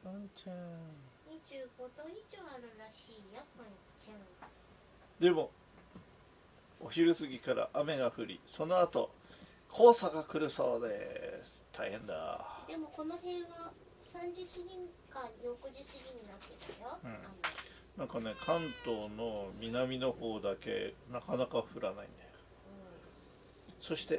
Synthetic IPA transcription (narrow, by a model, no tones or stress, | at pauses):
ãt͡ɕaɲit͡ɕɨːɡo̞d̪oid͡ʑoaɾɯ̟ɾaɕiːjapːaɲi | t͡ɕã | d̪e̞mo̞ | oçiɾɯ̟sɨɡʲikaɾa̰ʔame̞ɡaɸɯ̟ɾʲḭso̞no̞at̪o̞̰ | kʰo̞ːsaɡakɯ̟ɾɯ̟so̞̰ːd̪ḛsɨ̥t̪ʰaihẽ̞nd̪a̰d̪̥e̞mo̞ko̞nohẽɰ̃βa | sãɲd͡ʑɨɕiɲʲĩŋkãɲʲokɯʑɨɕiɲʲĩɲ̟ːinat̪ːet̪ajoɯ̃ | nãŋkane̞kʰãnt̪o̞ːno̞mʲinamʲino̞ho̞ːd̪ake̞̰nakanakaɸɯ̟ɾanaḭ̃nd̪ajo | so̞ɕi̥t̪e̞